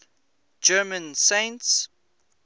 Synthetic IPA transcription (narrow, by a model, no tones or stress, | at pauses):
d͡ʒɜːmə̃nsẽɪnts